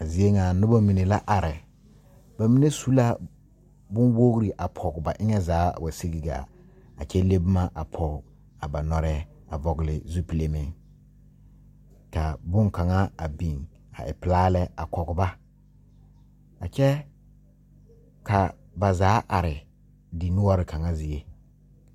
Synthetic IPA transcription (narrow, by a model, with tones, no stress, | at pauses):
a˨zi˦e˦ŋa˨nʊ˦ba˦mi˨ne˨la˦ʔa˨ɾɪ˨ | ba˨mi˦ne˦su˦la˦ | bʊ˦nwo˦ɣɾi˨ʔa˨pʰɔ˨ɡʊ˨ba˨ʔɪ˦ŋɛ˦zaː˨˦˨wa˨si˦ɡi˦ɡa̰˨ | a̰˨t͡ʃɛ˦le˦bʊ˦ma˦ʔa˨pʰɔ˨˦ | a˨ba˨nɔ˨ɾɛ˦ | a˨vɔ˨ɡɪ˨lɪ˨zu˦pi˨le˨mɪ˨ | ka˨bʊ˦ŋka˨ŋa˦a˨bi˨ŋ | a̰˨ʔɪ̰˨pɪ˨laː˦lɛ˦a˨kɔ˨ɡʊ˨ba˦ | a̰˨t͡ʃɛ˦ | ka˨ | ba˨zaː˨˦ʔa˨ɾɪ˨ | dɪ˨nʊ˦ɔ˦ɾɪ˨ka˨ŋa˦zɪ˨e˦